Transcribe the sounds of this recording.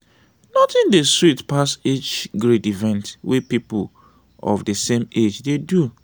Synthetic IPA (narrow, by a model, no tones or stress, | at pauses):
nɔtɪ̃ndeswitpaset͡ʃɡɹedivɛ̃ntwepipul | ɔ̰fdəsẽmed͡ʒdedu